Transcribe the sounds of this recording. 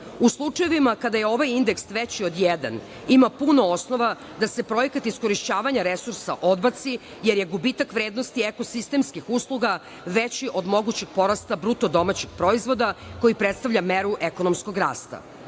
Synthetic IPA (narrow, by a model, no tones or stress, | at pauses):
uslˠut͡ʂajeʋimakad̪ajeo̞ʋajind̪eksʋet͡ɕio̞d̪jed̪a̰n | imapunoosno̞ʋa | d̪ase̞pɾojekat̪isko̞ɾiʃt͡ɕaːʋaɲaɾesuɾsaʔo̞d̪bat̪si | jeɾjeɡubit̪akʋɾeːd̪nost̪ieko̞sist̪e̞mskixuslˠuɡa | ʋet͡ɕiʔo̞d̪mo̞ɡut͡ɕeɡ̥po̞ɾast̪abɾut̪o̞d̪o̞mat͡ɕeɡ̥pɾo̞izʋo̞d̪ako̞jipɾet̪st̪aʋʎameɾuʔeko̞nomsko̞ɡɾa̰ːst̪a̰